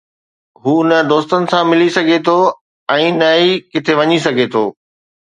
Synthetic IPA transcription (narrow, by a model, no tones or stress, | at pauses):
ɦuːnəd̪oːst̪ənɪ̆sãmɪlisɐɡʱet̪ʰo | ɛ̃ːnɐikɪt̪ʰeʋɐɲisɐɡʱet̪ʰoː